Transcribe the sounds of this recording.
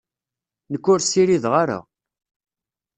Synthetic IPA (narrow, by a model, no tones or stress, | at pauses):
nəkːʊɾsiɾiðʁaɾa̰